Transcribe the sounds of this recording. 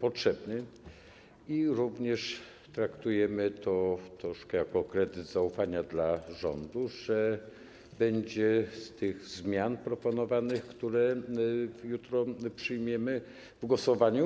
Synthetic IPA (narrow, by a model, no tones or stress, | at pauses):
pɔtʂɛbnɘ | iɾuvɲɛʂ | t̪ɾakt̪ujɛmɘt̪ɔt̪ɾɔʂkɛjakɔkɾɛd̪ɘd̪zaufaɲad̪laʐɔ̰nd̪uʐɛ | bɛɲd͡ʑɛst̪ɘɣzmʲjanpɾɔpɔnɔvanɘxkt̪uɾɛ | jut̪ɾɔpʂɘjmʲjɛmɘ | vɡwɔsɔvaɲu